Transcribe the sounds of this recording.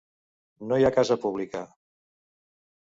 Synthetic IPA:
nojakazəpuβlikə

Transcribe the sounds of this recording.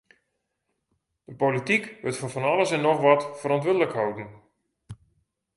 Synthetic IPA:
d̥əpolitikʋətfɔnfɔnɑlˠəsɛnːɔxʋɔtfəɾɔntʋɪdələkɦawtn̩

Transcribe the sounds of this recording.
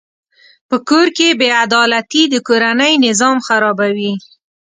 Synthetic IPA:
pəkoɾkebead̪ɑlat̪id̪əkoɾanəjnɪzɑmxaɾɑbawi

